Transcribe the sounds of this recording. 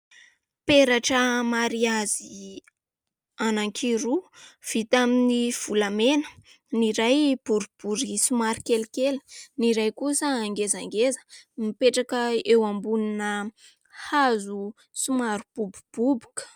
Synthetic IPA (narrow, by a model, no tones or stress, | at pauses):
peɾaʈ͡ʂəmaɾiazi | anaŋkʰiɾuv̥it̪aminiv̥ulamenə̥ | niɾajb̥uɾib̥uɾisumaɾikelikeli̥niɾajkusaːŋɡezaŋɡezə̥mipeʈ͡ʂakəewambuninə | hazu | sumaɾub̥ubub̥ubu̥k